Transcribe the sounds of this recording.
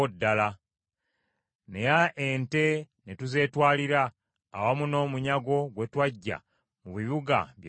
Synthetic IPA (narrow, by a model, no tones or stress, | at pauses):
odːala | ne̞jaʔente̞ | netuze̞ːtwaːliɾaː | wamuno̞ːmuɲaɡo̞ɡwe̞twaɟːa̰ | muβiβuɡa̰βje